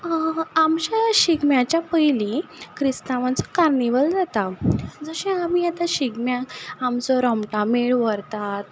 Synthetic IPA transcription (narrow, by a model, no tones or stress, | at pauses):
amt͡ɕaɕiɡmjãt͡ɕjapəjlikʰɾist̪aʋãt͡sɔ̥kaɾniʋəld͡zat̪ad͡zəɕɛ̃amiːjat̪aɕiɡmjãkamt͡sɔɾɔmʈãmeɭʋəɾt̪at̪̚